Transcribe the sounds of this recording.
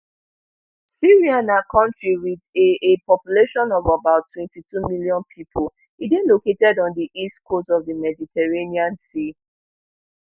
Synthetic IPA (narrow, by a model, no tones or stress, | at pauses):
siɹiãnakʰɔ̃ntɹiwideepɔpjuleʃɔ̃nɔvabaʊtʰːwɛ̃ntitumiljɔ̃npʰipʰol | idẽnloketɛdɔ̃ndiʔistkʰostɔvdəmɛditʰɛɹeniãnsi